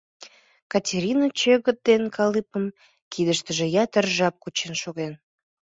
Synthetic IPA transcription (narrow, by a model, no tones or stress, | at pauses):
kɑtʲeɾʲinɑt͡ɕøɣət̪̚d̪enkɑlɨpəm | kid̪əʃt̪əʒĕjɑt̪ərʒɑp̚kut͡ɕenʃoɣen